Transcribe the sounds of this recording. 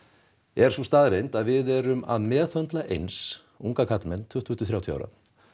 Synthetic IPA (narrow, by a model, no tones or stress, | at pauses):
ɛɾ̥sust̪aːðɾejnt̪aðvɪðɛɾʏma̰ðmɛːθœnt̪laʔejns | uŋkakʰat̪lmɛnt̪ʰʏht̪vʏnt̪ːʏθɾawt̪ʰja̰wɾa̰